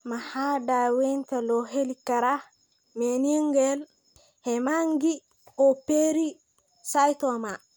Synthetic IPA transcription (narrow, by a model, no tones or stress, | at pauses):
mahadawɛntalɔɦelikːaɾa | menieŋɡɛl | hɛmaŋɡi | ɔpeɾi | sajtɔma